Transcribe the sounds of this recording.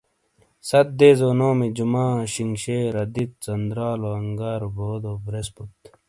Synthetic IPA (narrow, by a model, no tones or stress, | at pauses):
sɐt̪̚d̪eːzoːnoːmid͡ʑumaːɕiŋɡɕeːɾɐd̪it̪̚t͡sɐnd̪ɾaːloɐŋɡaːɾoboːd̪obɾesbut̪